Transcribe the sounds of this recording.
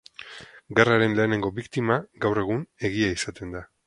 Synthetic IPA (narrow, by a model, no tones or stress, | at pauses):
ɡeraɾe̞nle̞ːne̞ŋɡo̞bikt̪imaɡawre̞ɣ̞une̞ɣ̞iaisat̪e̞nd̪a